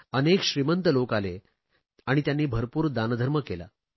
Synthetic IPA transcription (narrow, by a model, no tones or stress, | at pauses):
ənekɕɾimənt̪əlokale | aɽ̃it̪janːiːbʱəɾpuːɾd̪and̪ʱəɾməkela̰